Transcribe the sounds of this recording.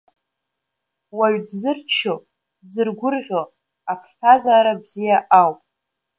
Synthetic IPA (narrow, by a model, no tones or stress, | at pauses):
waɥdzɨrt͡ʃʰo | zɨrɡʷʊrʁʲo | apʰstʰazaːɾabzijaʔawpʼ